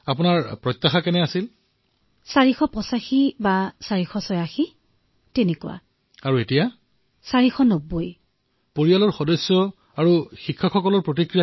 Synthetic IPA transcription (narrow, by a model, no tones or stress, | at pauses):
apʊnaɹpɹɔjt̪ːaxakɛnɛasil | saɹixɔpɔsaxibasaɹixɔsɔjaxi | tenekuwa̰ | aɹuetija | saɹixɔnoboj | poɹijalɔɹxɔdɔsːɔ | aɹuxikʰːaxɔkɔlɔɹpɹotikɹija